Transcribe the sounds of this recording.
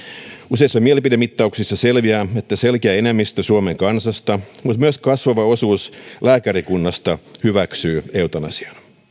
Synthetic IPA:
useisːɑmielipidemit̪ːɑuksisːɑselʋiæːe̞t̪ːæselkeæːenemːist̪øsuomeŋkɑnsɑst̪ɑmut̪myøskɑsʋɑʋɑo̞suːslæːkæɾikunːɑst̪ɑhyʋæksyːeut̪onɑ̰si̥ɑ̥n

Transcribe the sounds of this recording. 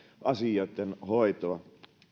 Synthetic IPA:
ʔɑsijoˑit̪ːenhoit̪oɑ

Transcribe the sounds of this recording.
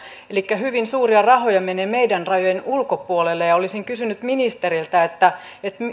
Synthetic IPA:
elikːæɦhyʋinsuːriɑrɑɦojɑmeneːmeidænrɑjojenulkopuolelːejɑolisiŋkysynyt̪minist̪eɾilt̪æet̪ːæ | et̪m

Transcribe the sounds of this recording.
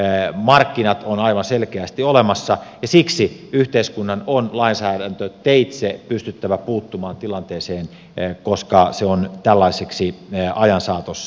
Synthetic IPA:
mɑrkːinɑt̪onɑiʋɑnselkeæst̪iolemɑsːɑjɑsiksiyht̪eiskunːɑnonlɑinsæːdænt̪øt̪eit̪sepyst̪yt̪ːæʋæpuːt̪ːumɑːnt̪ilɑnt̪eːseːn | koskɑseont̪ælːɑiseksiɑjɑnsɑːt̪os

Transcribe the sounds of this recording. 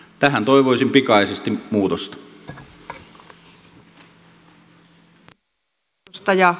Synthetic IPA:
t̪æɦænt̪oiʋoisimpikɑisest̪immuːt̪ost̪ɑ̥ | st̪ɑjɑ

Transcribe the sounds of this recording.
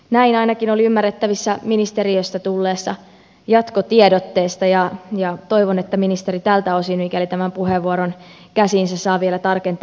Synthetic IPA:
næinɑinɑkinoliymːærːet̪ːæʋisːæminist̪eɾiøst̪æt̪ulːeːsːɑ | jɑt̪kot̪iedot̪ːe̞ːst̪ɑjɑjɑt̪o̞iʋonet̪ːæminist̪eɾit̪ælt̪æosinikælit̪æmæmpuɦeʋːuoɾonkæsiːnsæsɑːʋielæt̪ɑrkent̪

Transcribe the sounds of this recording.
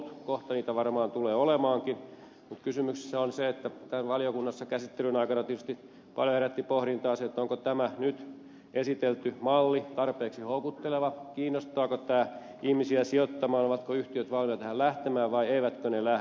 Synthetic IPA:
t̪koht̪ɑniːt̪æʋɑrmɑːnt̪uleːolemɑːŋkin | mut̪kysymykse̥sːæonseet̪ːæt̪ænʋɑliokunːɑsːɑkæsit̪ːelynɑikɑnɑt̪iet̪yst̪i | pɑljoheɾæt̪ːipohɾint̪ɑːset̪ːoŋkot̪æmænyt̪ | esit̪elt̪ymɑlːit̪ɑrpeːksihoukut̪ːeleʋɑkiːnːost̪ˑɑːkot̪æː | ihmisiæsiot̪ːɑmɑːnoʋɑt̪koyht̪iøt̪ʋɑlmiɑt̪æhællæht̪emæːʋʋɑieiʋæt̪kønelæ

